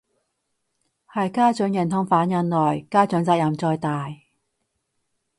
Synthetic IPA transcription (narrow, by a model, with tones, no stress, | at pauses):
hɐ˨˩jkaː˥t͡sɵ˨˥ŋjɐ˨˩nt̪ʰʊ˧ŋfaː˨˥njɐ˨˧nlɔː˨˩jkaː˥t͡ʃɵ˨˥ŋt͡saː˧k̚jɐ˨˩mt͡sɔː˧jt̪aː˨j